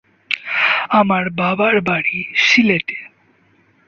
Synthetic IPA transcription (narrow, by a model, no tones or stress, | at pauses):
amaɾbabaɾbaɽiʃilet̪e̥